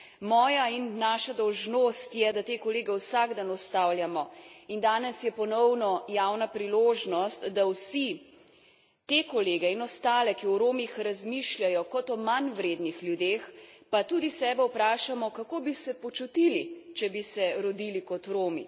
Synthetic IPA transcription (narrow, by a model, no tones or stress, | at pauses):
mɔːjainːaːʃad̪ɔwʒnost̪jɛd̪at̪eːkɔleːɡɛwsaɡd̪anɔst̪awljamɔind̪aːnɛsjɛpɔnɔwnɔjawnapɾiloːʒnɔst̪d̪awsi | t̪ekɔleːɡɛinɔst̪aːlɛkiɔɾoːmixɾazmiʃlʲjajɔkɔt̪ɔmanwɾeːd̪nixlʲjud̪eːxpat̪uːd̪isɛːbɛwpɾaːʃamɔkakobisɛpɔt͡ʃut̪ilit͡ʃɛbisɛɾɔd̪ilikɔt̪ɾoːmḭ